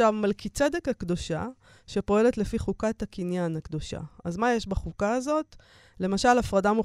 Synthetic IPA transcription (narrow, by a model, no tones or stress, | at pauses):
avmalkit͡sedekhakd̪o̞ʃa̰ | ʃepo̞e̞le̞t̪le̞fiχukathakinjanakd̪o̞ʃa̰azmajeʃbaχukaːzo̞t | le̞maʃalafʁadamu